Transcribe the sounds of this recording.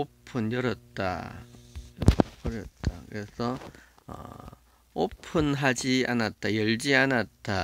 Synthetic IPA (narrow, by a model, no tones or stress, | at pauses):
opʰunjʌɾʌt̚t͈a̰ | jʌʌɾʌt̚t͈a̰kɯɾesʰʌ | ʌ̰ | opʰɯnɦad͡ʑianat̚t͈ajʌɭd͡ʑianat̚t͈a